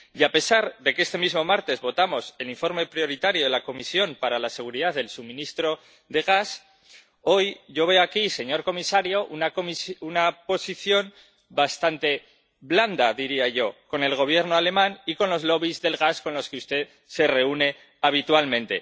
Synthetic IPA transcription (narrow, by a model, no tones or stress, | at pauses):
iape̞saɾðe̞ke̞st̪emizmo̞maɾt̪e̞zβo̞t̪amo̞se̞liɱfo̞ɾme̞pɾjo̞ɾit̪aɾjo̞ðe̞lako̞misjo̞mpaɾalase̞ɣ̞uɾiðaððe̞lsuβmĩnist̪ɾo̞ | ðe̞ɣ̞as | o̞jʝo̞β̞e̞oakise̞ɲo̞ɾko̞misaɾjo̞ʔunakomisunapo̞siθjo̞n | bast̪ant̪e̞ | βland̪aðiɾiaʝo̞ko̞ne̞lɣ̞o̞β̞je̞ɾno̞ale̞mãniko̞nlo̞zlo̞β̞izðe̞lɣasko̞nlo̞skeust̪e̞ð | se̞re̞une̞ | aβ̞it̪walmẽ̞nt̪e̞̰